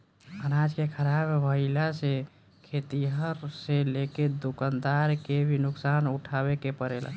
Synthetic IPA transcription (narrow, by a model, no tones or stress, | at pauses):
ənad͡ʒkekʰəɾabʋəɪlase | kʰet̪iɦəɾseleked̪ukənd̪aɾkebʱinʊksanuʈʰabekepəɾela̰